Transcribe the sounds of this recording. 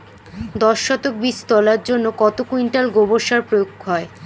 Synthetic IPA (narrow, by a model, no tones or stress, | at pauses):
d̪ɔʃːɔt̪ok̚bist̪ɔlaɾd͡ʑonːokɔt̪okuinʈalɡoboʃaɾpɾojokɦɔe